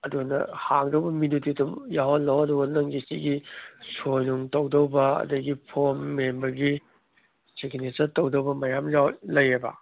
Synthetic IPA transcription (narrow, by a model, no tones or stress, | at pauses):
ɐdunɐ̰haŋdɐwbɐmidutidumjaɦotlɐwɐdubɐnɐŋɡisiɡisojnuŋtɐwdɐwbɐɐ̰dɐɡipʰoɾmːembɐɾɡi | sekinesɐtowdɐwbɐmɐjamjawlɐjɾebɐ̰